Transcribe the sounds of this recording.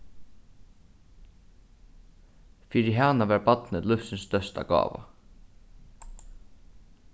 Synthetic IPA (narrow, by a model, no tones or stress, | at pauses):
fiːɾɪɦanaʋæːɾbɑt̪nɪt̪lʊfsɪnst̪œst̪a̰ɡɑ̰ːʋa̰